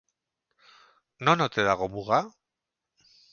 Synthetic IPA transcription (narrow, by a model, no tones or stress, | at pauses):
no̞not̪e̞ðaɣ̞o̞muɣa